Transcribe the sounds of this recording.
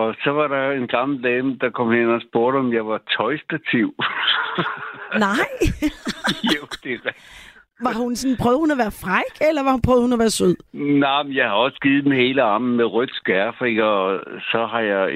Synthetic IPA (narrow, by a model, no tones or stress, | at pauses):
ɒ̽sɒ̽ʋɑ̈ɾɑ̈e̝nɡ̥ɑ̈ml̩d̥ɛːməd̥ɑ̈kʰɒ̽mhen̰ɒsb̥o̝ɐɾəɒ̽mjɑ̈ɪʋɑ̈t͡sʰɒ̽ɪsd̥æt͡sʰiʊ | nɑɪ̰ | jod̥e̝ʁæ | ʋɑ̈hunsɔn̩pʰʁœːʊð̩ˠhunæʋæːɐfʁaɡ̥elɐʋɑ̈hupʰʁœʊð̩ˠhunæʋæːɐsøð̰ˠnaɪmenjɑ̈ɪhɑ̈ɒ̽sɡ̥iːð̩ˠd̥enɦe̝ːləɑ̈mn̩meʁœd̥sɡ̥æfʁiɡ̥ʰæɒsɒ̽ɦɑ̈jɑ̈ɪ